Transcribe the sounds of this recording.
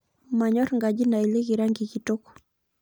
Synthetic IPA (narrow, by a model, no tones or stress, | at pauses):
maɲɔɾŋɡaʄinailɛɣiɾaŋɡikitɔkɔ̥